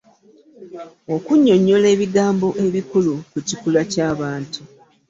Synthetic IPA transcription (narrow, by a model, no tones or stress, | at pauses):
o̞kuɲːo̞ɲːo̞le̞ːβiɡaːmbo̞ʔe̞βikulukucikulacaːβaːntu